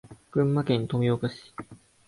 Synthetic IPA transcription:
ɡ̥ɯ̟̃mːakẽ̞nt̪o̞mʲiokaɕi̥

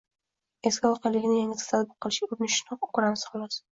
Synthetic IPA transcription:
e̞skʲaɒqʰɑlːɪɡʲɪnɪjaŋʲɪt̪ʰɪ̥t̪ʰat̪bʊlˠqʰɨlˠɪʃʲɪkʰob̚nɪʃnɒqʊ̥kʊɾamsχɑlˠɒs

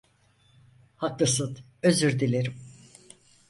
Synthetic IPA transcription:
hakːɯsɯt̪ | øzyɾd̪ilʲeɾim

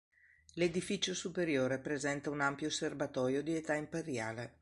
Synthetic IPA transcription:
led̪ifit͡ʃosupeɾjoːɾepɾezɛnt̪aunampjoservat̪ɔːjod̪iet̪aimpeɾja̰ːle

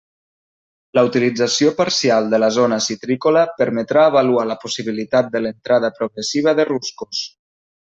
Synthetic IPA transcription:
ləut̪ilid͡zasiopaɾsialˠd̪ələzonəsit̪ɾikoləpəɾmət̪ɾaəβalualəpusiβ̞ilit̪at̪̚d̪ələnt̪ɾaðəpɾoɣɾəsiβ̞əðəruskus

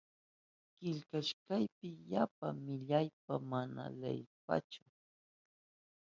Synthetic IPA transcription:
kɪʎkaʃkajpɪjapamɪʎajp̚amana̰lḛjpa̰t͡ʃʊ

